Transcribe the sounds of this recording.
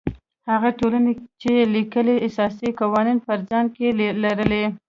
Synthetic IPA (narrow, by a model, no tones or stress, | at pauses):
haɣaʈolanet͡ʃelikəleɪsɑsiqawɑninfaɾzan̚kelaɾəle